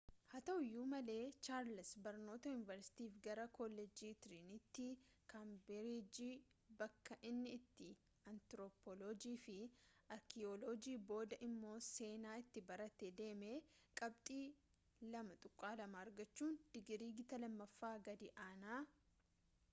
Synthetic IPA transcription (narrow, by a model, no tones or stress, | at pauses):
hɐt̪ɐhʊjːuːmɐle̞ːt͡ʃaːɾlɪsbɐɾno̞ːt̪ɐjʊnɪvɐɾsɪ̥t̪iːfɡɐɾɐkɔlːɛd͡ʒiːt̪ɪɾinɪt̪ːɪkambɛɾid͡ʒiː | bɐkːɐʔɪnːɪːt̪ːɪ | ɐnt̪ɾoːpɔlɔd͡ʒiːfɪɐɾkɪolɔd͡ʒiːbo̞ːd̪ɐʔɪmːo̞ːse̞ːnaːɪt̪ːɪbɐɾɐt̪ːed̪e̞ːme̞ːkʼɐbt̪ʼiː | lɐmɐt̪ʼʊkʼːaːlɐmaːɾɡɐt͡ʃːuːnd̪̥ɪɡɾiːɡɪt̪ɐlɐmːɐfːaːɡɐd̪ɪʔaːnaː